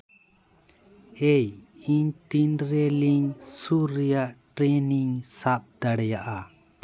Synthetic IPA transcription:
ejiɲt̪inɾɛliŋsuɾːɛjaʔʈɾɛniŋsap̚d̪aɽɛjaʔa

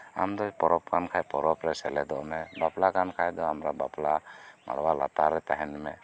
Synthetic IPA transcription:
a̰md̪ɔpɔɾɔp̚kankʰajpɔɾɔpɾɛsɛlɛd̪ɔʔɔmɛbaplakankʰajd̪ɔamɾabaplama̰ɽwala̰t̪aɾɛt̪aɦɛnmɛ

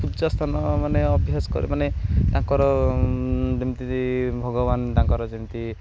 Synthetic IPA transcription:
pudd͡ʒast̪ʰanɔmaneɔbʱjaskɔ̰ɾḭmaneɖãŋkɔɾɔ | d͡ʒimt̪ibʱɔɡɔbanɖãŋkɔɾɔd͡ʒimt̪i

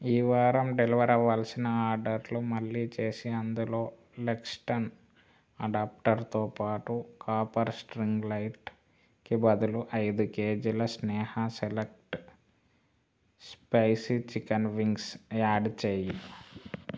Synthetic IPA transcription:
iːʋaːɾɐmɖeliʋɐɾɐʋaːlsinɐaːɾɖɐɾlumɐlːiːt͡ʃe̞ːsiɐnd̪ulo̞ː | leksʈɐn | ɐɖaːp̚ʈɐɾt̪oːpaːʈukaːpɐɾsʈɾiŋɡlɐjʈ | kibɐd̪uluʔɐjd̪ukeːd͡ʒulɐsnɛːhɐselek̚ʈ | spɐjsit͡ʃikɐnʋiŋɡsaːɖt͡ʃeːji

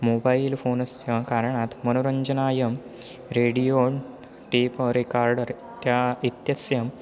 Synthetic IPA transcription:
mobailfonəst̪jãkaɾɳat̪mənoɾəɲd͡ʑənaːjəm | ɾeɽijoɳ | ʈipəɾikaɾɖəɾ | t̪jait̪jɐsjəm

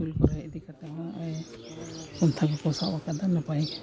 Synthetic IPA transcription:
ulkɔɾaɛd̪ikat̪ɛmaɔj | kɔnt̪ʰakɔkɔsawakadanapaj

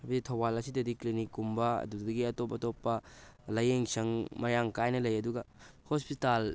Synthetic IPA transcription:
ɐbɐditʰɐwbalɐsidɐdiklinikːumbɐɐ̰dudɐɡiɐtopːɐtopːɐlɐjeŋsɐŋmɐjaŋkajnɐlɐjɐduɡɐhospital

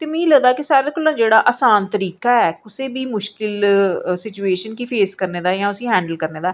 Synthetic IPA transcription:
t̪eːmɛ̃ːĩləɡd̪aːkɪsaːɾekʊlãːd͡ʒeːɽaːʔəsaːnt̪əɾiːkaːɛːkʊseːbiːmʊʃkkɪlsɪt͡ʃueːʃənkiːpʰeːskəɾneːd̪aːjãːʊsĩːɦɛ̃ːɳɖəlkəɾneːd̪aː

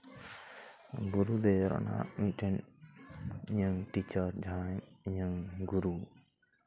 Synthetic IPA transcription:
ɡuɾud̪eɾɔ̰na̰miʈɛn | ɲəŋʈit͡ʃəɾd͡ʒʱamiɲəŋɡuɾu

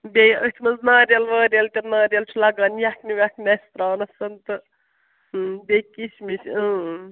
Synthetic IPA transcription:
bʲejət̪ʲʰmɐnznaːɾʲjɐlʋɐːɾʲɐlt̪ʲɐnaːɾʲjɐlt͡ʃʰulɐɡaːnjakniʋʲaknʲɐsʲt̪ɾaːnɐsɐnt̪ɨ | bʲekit͡ʃʰmit͡ʃʰɨ̃ː

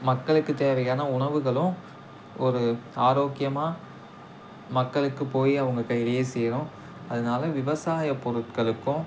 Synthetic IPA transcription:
mɐkːɐɭɯkːɯt̪eːʋɐjaːnɐʊɳɐʋɯɣɐɭʊ̃ | ɔɾɯaːɾoːkɪjɐmaː | mɐkːɐɭɯkːɯpoːjiɐʋɐŋɡɐkːɐɪɽɐjeːsɛjɾʊ̃ | ɐðɐnaːlɐʋɪʋɐsaːjɐpːɔɾɯʈ̚kɐɭɯkːʊ̃

